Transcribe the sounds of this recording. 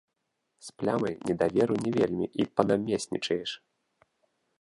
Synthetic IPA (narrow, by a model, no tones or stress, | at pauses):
splʲamɐjnʲɛd̪avʲɛɾunʲɛvʲelʲmʲḭʔipɐnamʲesʲnʲḭt͡ʂɐjɛʂ